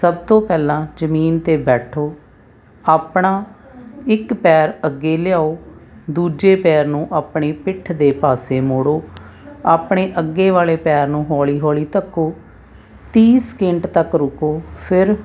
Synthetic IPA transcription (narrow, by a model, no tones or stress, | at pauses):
səb̚t̪õːpɛːlãːd͡ʒəmiːnt̪eːbɛːʈʰoː | aːpɳãː | ɪkpɛːɾəɡːeːlɪjaːoːd̪uːd͡ʒeːpɛːɾnũːʔaːpɽeːpɪʈʰd̪eːpaːseːmoːɽoː | aːpɳeːʔəɡːeːʋaːleːpɛːɾnũːɦɔːliːɦoːliːt̪əkːoː | t̪iːsə̥kɪɳɖt̪əkɾʊkoːpʰɪɾ